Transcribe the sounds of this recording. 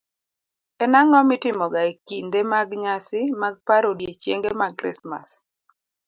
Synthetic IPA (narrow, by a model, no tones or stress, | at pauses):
ɛnaŋɔmɪtɪmɔɡaekindemaɡɲasɪmaɡ̚paɾodjet͡ʃjḛŋɡemakɾɪ̰sma̰s